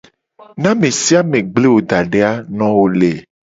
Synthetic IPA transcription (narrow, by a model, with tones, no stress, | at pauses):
nã˦mẽ˨si˦a˦mẽ˨ɡ͡ble˦wo˨d̪a˨ɖe˦a˦nɔ̃˦wo˨le˨